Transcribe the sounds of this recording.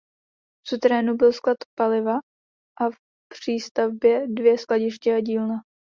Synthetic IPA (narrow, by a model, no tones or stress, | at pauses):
ft͡sut̪ɾɛːnubɪlsklat̪palɪva | ʔaf | pr̥iːst̪avbjɛdvjɛsklaɟɪʃcɪaɟiːlna